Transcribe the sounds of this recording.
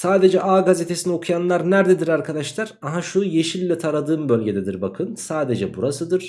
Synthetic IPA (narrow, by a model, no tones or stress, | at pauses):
saːd̪e̞d͡ʒɛʔaːɡazet̪ʰe̞sinio̞kʰujanlˠaɾnæɾd̪ed̪iɾaɾkʰad̪aʃlˠaɾaɦaʃuje̞ʃilʲːɛt̪ʰaɾad̪ɯːmbølʲɟe̞d̪ed̪iɾbakʰɯnsaːd̪e̞d͡ʒɛbuɾasɯd̪ɯɾ̥